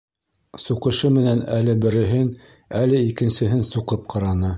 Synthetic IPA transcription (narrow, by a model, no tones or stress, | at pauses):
suqɤ̆ʃɤmɘ̆nænælɘbɘ̆ɾɘ̆ɦɘn | ælɘikɘ̆nsɘ̆ɦɘnsuqɤp̚qʰɑɾɑnɤ